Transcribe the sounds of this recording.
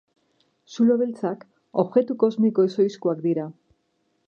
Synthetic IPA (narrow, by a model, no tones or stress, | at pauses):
suloβelt͡sak | oβɣe̞t̪uko̞zmiko̞eso̞jskuakd̪iɾa